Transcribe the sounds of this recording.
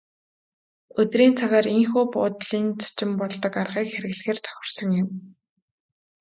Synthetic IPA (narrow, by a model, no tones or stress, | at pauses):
ɵt̪riːnt͡sʰaɣaːɾiŋxuːpʊ̰ːt̪ɮiːnt͡sʰḁt͡ɕɪ̆mpɔɮt̪ɞ̆karʁiːkxeɾɘ̆ɣɮxeːrt͡sʰœ̥xʲɪ̆r̥sɞ̆ŋjɪ̆m